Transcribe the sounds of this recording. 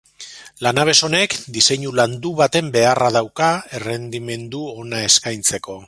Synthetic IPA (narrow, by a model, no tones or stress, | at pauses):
lanaβ̞e̞so̞ne̞kd̪ise̞ɲuland̪uβat̪e̞mbe̞araðawkae̞re̞nd̪ime̞nd̪uo̞nae̞skajnt͡se̞ko̞